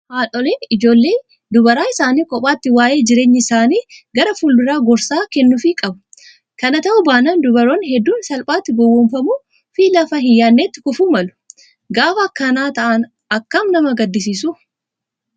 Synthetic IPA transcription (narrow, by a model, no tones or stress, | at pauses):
haːlɔleːnɪd͡ʒo̞ːlːe̞ː | d̪ʊbɐɾaːɪsaːniːkʼɔpʼaːt̪ːɪwaːje̞ːd͡ʒɪɾe̞ːɲːɪɪsaːniːɡɐɾɐfʊldʊɾaːɡɔɾsaːkɛnːʊfɪkʼɐbʊ̥ | kɐnɐt̪ɐʔʊbaːnɐːnd̪ʊbɐɾoːnhɛd̪ːuːnsɐlpʼaːt̪ːɪɡɔwːɔmfɐmuː | fiːlɐfɐɦɪjːaːnːeːt̪ːɪ̥kʊfuːmɐlʊ̥ | ɡaːfɐːkːɐnaːt̪ɐʔɐn | ɐkːɐmnɐmɐɡɐd̪ːɪs̬iːsʊ